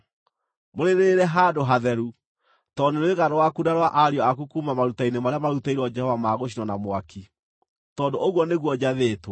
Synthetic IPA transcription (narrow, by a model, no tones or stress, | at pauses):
moɾeɾeɾɛɦadoɦaðɛɾu | tɔndoneɣaɾɔwakudaɾwaʔaɾiɔakukumamaɾutainemaɾeamaɾutaiɾɔd͡ʒɛhɔvamaːɣoɕ̬inɔnamwaki | tɔːdoʔoɣwɔneɣwɔd͡ʑaðeːtwa